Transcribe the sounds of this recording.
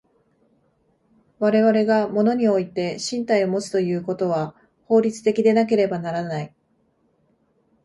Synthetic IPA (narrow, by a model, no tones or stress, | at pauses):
βaɾe̞βaɾe̞ɡamo̞no̞ɲ̟io̞it̪e̞ɕĩnt̪aio̞mo̞t͡sɨ̥t̪o̞jɯ̟ːko̞t̪o̞β̞a | ho̞ːɾʲit͡sɨ̥t̪e̞kʲid̪e̞nak̬e̞ɾe̞banaɾanai